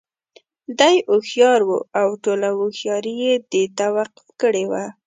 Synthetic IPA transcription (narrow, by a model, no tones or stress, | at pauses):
d̪ajʊxjɑɾwṵawʈolawʊxjɑɾijed̪et̪awaqʊ̥fkəɽewa